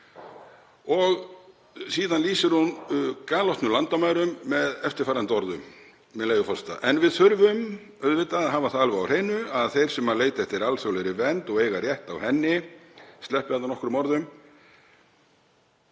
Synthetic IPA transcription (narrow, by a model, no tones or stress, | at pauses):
ɔɣ | siːðanliːsɪɾhunkaːlɔwht̪nʏlant̪amaːjɾʏmːɛðɛft̪ɪ̥ɾfaːɾant̪ɔɾðʏmː | ɛðleːjʏfɔst̪a̰ʔɛnvɪðθœɾvʏm | œðvɪt̪aðɦaːvaθaalvʏawr̥eːjnʏaðθejɾ̥sɛmaleːjt̪ɛft̪ɪɾalsowleɾɪvɛnt̪ɔɣeːjɣarjɛht̪awhɛnːɪst̪lɛhpananɔhkɾʏmɔɾðʏm